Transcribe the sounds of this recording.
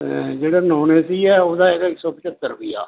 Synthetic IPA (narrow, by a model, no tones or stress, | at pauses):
d͡ʒeːɽaːnoːneːsiːɛːoːd̪aːeːɡaɪksɔːpɪt͡ʃət̪ːəɾbɪja̰ː